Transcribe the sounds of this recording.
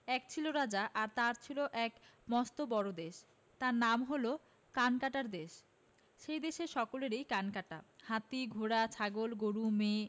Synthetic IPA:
ɛk̚t͡ɕʰiloɾad͡ʑaʔaɾt̪aɾt͡ɕʰiloʔɛkmɔst̪obɔɾod̪eʃ | t̪aɾnamɦolo | kankaʈaɾd̪eʃ | ʃejd̪eʃeɾʃɔkoleɾejkankaʈa̰hat̪iɡʱoɽat͡ɕʰaɡolɡoɾume

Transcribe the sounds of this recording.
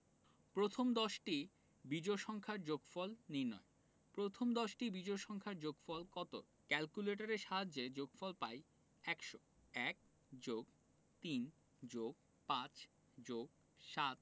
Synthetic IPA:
pɾot̪ʰomd̪ɔʃʈi | bid͡ʑoʃɔŋkʰaɾd͡ʑoɡfɔlniɾnɔ̰e | pɾot̪ʰomd̪ɔʃʈibid͡ʑojʃɔŋkʰaɾd͡ʑoɡfɔlkɔt̪o̰ɾ | kɛlkuleʈ̬aɾeʃaɦadːed͡ʑoɡfɔlpaj | ɛkʃo | ɛk̚ | d͡ʑoɡ | t̪in | d͡ʑoɡ̚ | pãt͡ɕ | d͡ʑoɡ̚ | ʃat̪̚

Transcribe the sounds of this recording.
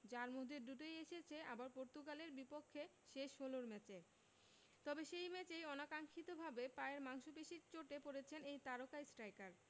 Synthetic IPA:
d͡ʑaɾmod̪ʱeduʈojeʃet͡ɕʰeabaɾpoɾt̪uɡaleɾbipokʰːe | ʃeʃoloɾmɛt͡ɕe | t̪ɔbeʃejmɛt͡ɕejɔnakaŋkʰit̪obʱabepaeɾmaŋʃobeʃiɾt͡ɕoʈepoɾet͡ɕʰenejt̪aɾokajsʈɾajkaɾ

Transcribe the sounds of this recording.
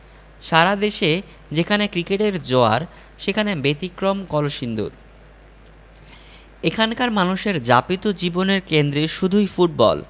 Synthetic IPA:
ʃaɾad̪eʃe | d͡ʑekʰanekɾikeʈeɾd͡ʑoa̰ɾ | ʃekʰanebet̪ikɾomkɔloʃind̪ṵɾ | ekʰankaɾmanuʃeɾd͡ʑapit̪od͡ʑiboneɾkend̪ɾeʃud̪ʱujfuʈ̚bɔ̰l

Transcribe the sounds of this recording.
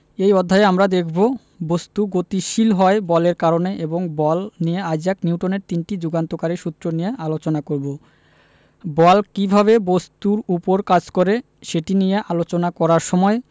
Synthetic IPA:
ejɔd̪ʱːaeamɾad̪ekʰbo | bost̪uɡot̪iʃilɦɔebɔleɾkaɾoneʔeboŋbɔlnijeajd͡ʑakniuwʈoneɾt̪inʈid͡ʑuɡant̪okaɾiɾʃut̪ːɾonijeʔalot͡ɕonakoɾbo | bɔlkibʱaβebost̪uɾupoɾkad͡ʑkoɾe | ʃeʈinijeʔalot͡ɕonakɔɾaɾʃɔmɔe

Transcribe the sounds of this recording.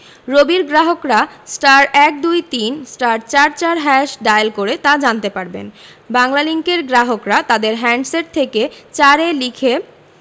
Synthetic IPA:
ɾobiɾɡɾaɦokɾasʈaɾɛk̚d̪ujt̪insʈaɾt͡ɕaɾt͡ɕaɾɦɛʃɖajlkoɾet̪ad͡ʑant̪epaɾbḛn | baŋlaliŋkeɾɡɾaɦokɾat̪ad̪eɾɦɛɳɖseʈ̚t̪ʰeket͡ɕaɾelikʰe

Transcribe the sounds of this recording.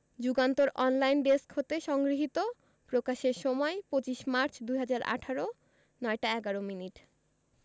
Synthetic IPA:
d͡ʑuɡant̪oɾʔɔnlajnɖeskɦot̪eʃɔŋɡɾiɦit̪o | pɾokaʃeɾʃɔmɔepot͡ɕiʃmaɾt͡ɕd̪uɦad͡ʑaɾa̰ʈʰaɾo | nɔeʈaɛɡaɾominiʈ

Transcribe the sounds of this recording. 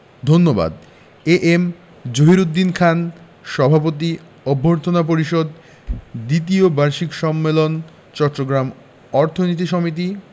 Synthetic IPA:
d̪ʱonːoba̰d̪ | eʔem | d͡ʑoɦiɾud̪ːinkʰan | ʃɔbʱapot̪̬i | ɔbʱːoɾt̪ʰonap̬oɾiʃod̪ | d̪it̪̬iobaɾʃikʃɔmːelon | t͡ɕɔtːɾoɡɾam | ɔɾt̪ʰonit̪̬iʃɔmit̪̬i

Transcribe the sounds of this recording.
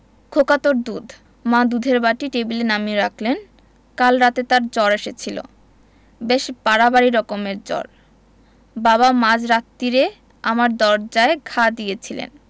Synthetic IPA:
kʰokat̪oɾd̪ud̪ʱ | mad̪ud̪ʱeɾbaʈiʈebilenamiɾakʰlen | kalɾat̪et̪aɾd͡ʑɔɾeʃet͡ɕʰilo̰ | beʃpaɾabaɾiɾɔkomeɾd͡ʑɔ̰ɾ | baβamãd͡ʑɾat̪ːiɾe | amaɾd̪ɔɾd͡ʑaeɡʰʱad̪ijet͡ɕʰilḛn

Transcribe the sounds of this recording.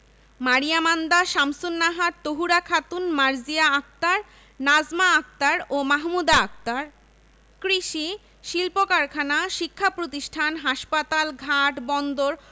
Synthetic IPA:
maɾijamand̪aʃamsunːaɦaɾt̪oɦuɾakʰat̪unmaɾd͡ʑijaak̚t̪aɾ | nad͡ʑmaak̚t̪aɾomaɦmud̪aak̚t̪aɾ | kɾiʃi | ʃilpokaɾkʰanaʃikʰːapɾot̪iʃʈʰanɦaʃpat̪alɡʱaʈbɔnd̪oɾ

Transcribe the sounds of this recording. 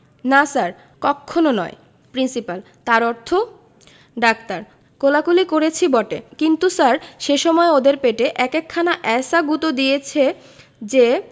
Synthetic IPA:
nasaɾ | kɔkʰːononɔ̰e | pɾinsipal | t̪aɾɔɾt̪ʰo | ɖak̚t̪aɾ | kolakulikoɾet͡ɕʰibɔʈekint̪usaɾʃeʃɔmɔeod̪eɾpeʈeʔɛkekʰːanaʔɛsaɡut̪od̪ijet͡ɕʰe | d͡ʑe

